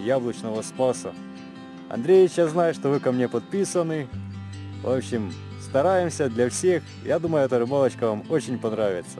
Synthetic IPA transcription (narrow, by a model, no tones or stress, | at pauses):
jablˠɐt͡ɕnəvəspasə | ɐ̰nd̪ɾʲejʲɪt͡ɕjaznajʊʂt̪ovɨkɐmnʲe̞pɐt̪̚pʲisənɨ | vopɕːɪm | st̪ɐɾajɪmsʲəd̪lʲɐfsʲe̞x | jad̪uməjʊɛt̪əʐɨbalˠət͡ɕkɐvamo̞t͡ɕɪnʲpɐnɾavʲɪt̪sə̥